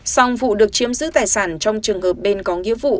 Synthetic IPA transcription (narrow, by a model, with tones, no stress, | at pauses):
sɔ˧wŋ͡mvṵ˧˨ɗɨ˨˩ək̚t͡ɕi˨˦əmzɨ̰˧˥t̪aː˨˩jsaː˧˩nt͡ɕɔ˧wŋ͡mt͡ɕɨ˨˩əŋhəː˨˩p̚ɓe˧nkɔ˨˦ŋḭ˧˥əvṵ˧˨